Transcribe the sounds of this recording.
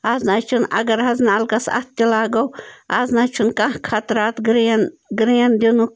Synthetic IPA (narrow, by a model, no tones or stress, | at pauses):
aːznaːt͡ʃʰunɐ̰ɡɐɾɦɐznaːlkɐsɐ̰t̪̚t̪ʲilaːɡɐwaːznaːt͡ʃʰunkãhkʰat̪ɾaːt̪ɡɾnɡɾiɐnd̪inu